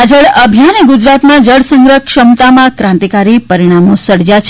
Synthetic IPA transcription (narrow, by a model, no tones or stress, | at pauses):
d͡ʒəɭəbʱjaneɡud͡ʒɾat̪mãd͡ʒəɭsə̃ŋɡɾəkʃəmt̪amãkɾãnt̪ikaɾipəɾiɽ̃amõsəɽd͡ʒjat͡ʃʰ